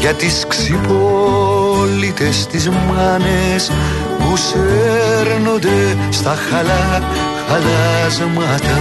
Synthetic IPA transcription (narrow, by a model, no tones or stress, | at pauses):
ʝɐt̪isksipo | lit̪est̪izmɐnes | museɾnond̪e | st̪ɐxɐlɐ | xɐlɐzmɐt̪ɐ